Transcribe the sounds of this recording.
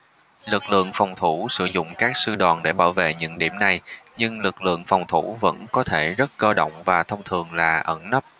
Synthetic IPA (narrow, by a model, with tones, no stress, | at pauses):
lɨ˨˩k̚lɨ̰˧˨əŋfɔ˨˩wŋ͡mt̪ʰu˧˩sɨ˧˩zʊ̰˧˨ŋ͡mkaː˦˥k̚sɨ˧ɗɔː˨˩nɗe˧˩ɓaː˧˩wvḛ˧˨ɲɨ̰˧˥ŋɗi˧˩əmna˨˩jɲɨ˧ŋlɨ˨˩k̚lɨ̰˧˨əŋfɔ˨˩wŋ͡mt̪ʰu˧˩və̰˧˥nkɔ˨˦t̪ʰe˧˩zə˦˥t̚kəː˧ɗo̰˧˨wŋ͡mvaː˨˩t̪ʰə˧wŋ͡mt̪ʰɨ˨˩əŋlaː˨˩ʔə˧˩nnə˦˥p̚